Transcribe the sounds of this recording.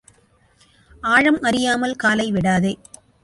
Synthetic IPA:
aːɻɐmʔɐɾɪjaːmɐlkaːlɐɪʋɪɽaːðeː

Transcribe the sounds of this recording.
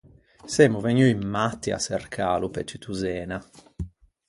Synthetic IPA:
semuveɲːuimːat̪ːia̰serkʰaːlupɛt͡ʃːit̪ʰuzɛːna

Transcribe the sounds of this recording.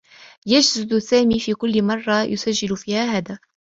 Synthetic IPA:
jad͡ʒzɪd̪saːmiːfiːkʊlːɪmɑrˤːɑjʔʊsad͡ʒːɪlʊfiːhaːɦad̪aː

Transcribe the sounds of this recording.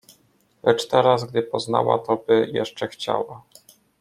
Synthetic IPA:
lʔɛt͡ʂt̪ɛɾazɡd̪ɘpɔzn̪awa̰t̪ɔbɘjɛʂt͡ʂɛxt͡ɕa̰wa

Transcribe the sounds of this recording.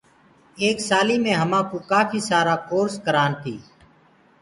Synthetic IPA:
eːksaːliːmẽːɦəmãːkoːkaːfʰiːsaːɾaːkoːɾskəɾaːnt̪ʰiː

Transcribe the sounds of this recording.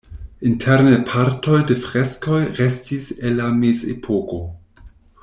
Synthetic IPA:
intʰɛɾnepʰaɾtojdefɾeskojʁestʰiselːamezḛpʰoko

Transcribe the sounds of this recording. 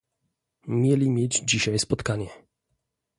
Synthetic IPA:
mʲjɛlʲimʲjed͡ʑd͡ʑiɕajspɔt̪kaɲɛ

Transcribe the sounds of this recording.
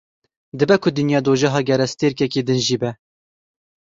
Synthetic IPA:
d̪ɨbɛkʰʊd̪ɨnjɑːd̪oːʒɛɦɑːɡʲɛɾɛst̪eɾkɛkeːd̪ɨnʒiːbɛ

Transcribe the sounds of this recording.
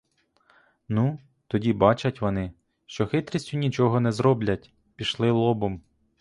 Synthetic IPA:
nu | t̪ɔdʲibɑt͡ʃɐtʲʋɔnɪ | ʃt͡ʃɔxɪt̪ɾʲisʲtʲʊnʲit͡ʃɔɦɔnɛzɾɔblʲɐtʲ | pʲiʃlˠɪlˠɔbʊm

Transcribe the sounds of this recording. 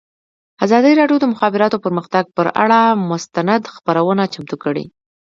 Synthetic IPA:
azɑd̪əɾɑɖjod̪əmʊxɑbɪɾɑt̪opəɾməxt̪aɡ̚pəɾa̰ɽamʊst̪anad̪xpaɾawənat͡ʃamt̪ukəɽḭ

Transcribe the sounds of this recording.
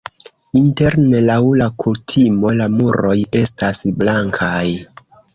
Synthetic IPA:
inte̞ɾne̞lawlakʰutʰimo̞lamuɾo̞je̞stasblaŋkʰaj

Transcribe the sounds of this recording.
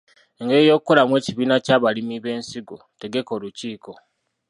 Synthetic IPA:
eŋɡe̞ɾijo̞ːkukːo̞lamwe̞ːciβiːnacaːβalimiβe̞ːnsiɡo | te̞ɡe̞ko̞ːluciːkʰo̞

